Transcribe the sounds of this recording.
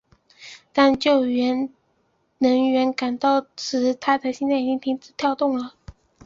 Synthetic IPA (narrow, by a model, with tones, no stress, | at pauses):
t̪a˥˧nt͡ɕjo˥˩ʊɥɛ˧˥n | nɤ˧˥ŋɥɛ˧˥nka˨˩nt̪ɑ˥˩ʊʈ͡ʂʰɻ̩˧˥t̪ʰa˥d̪ə˨ɕjɛ˥nt͡sa˥˩ɪi˨˩t͡ɕi˥ŋt̪ʰi˥ŋt͡sɹ̩˥˩t̪ʰjɑ˥˧ʊt̪ʊ˥˩ŋlə˩